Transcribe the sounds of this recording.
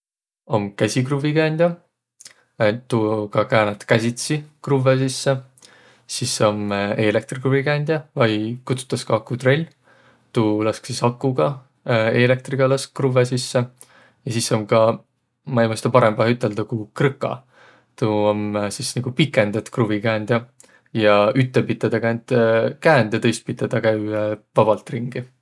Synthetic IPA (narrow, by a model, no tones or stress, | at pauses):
o̞mkæsʲikruvikænʲd̪̥ʲjɑ | t̪ukɑkæːnɑt̪kæsʲit̪sikruves̬isːe | sisːo̞mele̞k̚t̪rikruvikænʲd̪̥ʲjɑvɑjkut̪su̥t̪ːˑɑskɑkut̪relʲː | t̪ulɑsksisɑkːuɡ̥ɑ | e̞le̞k̚t̪riɡ̥ɑlɑsk̚kruvesisːe | jɑsisːomkɑ | mɑejmɑst̪ɑpɑɾemb̥ɑɦhyt̪ːˑe̞ld̪̥ɑkukrɨkːˑɑ̰ | t̪uomsisniɡ̥upikːˑe̞nd̪̥ɑt̪kruvikæːnd̪̥jɑ | jɑyt̪ːepid̪ɑd̪̥ɑkænd̪̥kæːnd̪̥jɑt̪ɤjst̪̚pid̪ɑd̪̥ɑkæyvɑb̥ɑlt̪ˑriŋɡ̥i